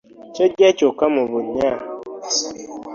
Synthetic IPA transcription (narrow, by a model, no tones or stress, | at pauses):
t͡ʃed͡ʒɛt͡ʃokamʊbʊɲa